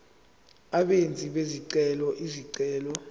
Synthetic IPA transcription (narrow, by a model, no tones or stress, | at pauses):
aɓent͡sʼiɓeziǀɛlɔʔiziǀɛːlɔ